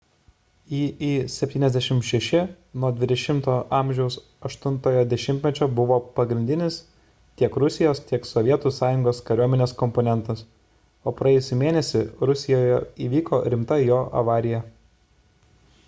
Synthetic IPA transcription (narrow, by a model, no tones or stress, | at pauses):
iːiːsʲɛpʲt̪ʲiːnʲɛzʲd̪ʲæʃʲɪmʃʲɛʃʲɪ | nuɔd̪ʲʋʲɪd̪ʲɛʃʲɪmt̪oːʔɑːˑmʲʒʲɛʊs | ɐʃt̪ʊnt̪oːjoːd̪ʲɛʃʲɪmʲt̪ʲmʲɛt͡ʃʲoːbʊʋoːpɐɡɾʲɪnd̪ʲɪnʲɪs | t̪ʲiɛkɾʊsʲɪjoːst̪ʲiɛksɔʋʲiɛt̪uːsɑːjʊŋɡoːskɐɾʲuɔmʲɛnʲeːskɔmpɔnʲɛnt̪ɐs | oːpɾɐjɛːjʊsʲʊmʲeːnʲɛsʲɪɾʊsʲɪjoːjɛiːʋʲiːkoːɾʲɪmt̪ɐjoːʔɐ̰ʋɑːɾʲɪjɛ